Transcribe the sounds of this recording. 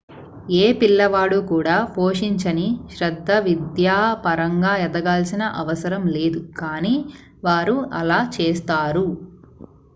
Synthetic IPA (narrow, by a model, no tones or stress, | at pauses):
eːpilːɐʋaːɽukuːɽaːpoːʂiɲt͡ʃɐniʃɾɐd̪ʱːɐʋid̪jaːpɐɾɐŋɡaːɐd̪ɐɡaːlsinɐʔɐʋɐsɐɾɐmle̞ːd̪ukaːniː | ʋaːɾuɐlaːt͡ʃeːst̪aːɾu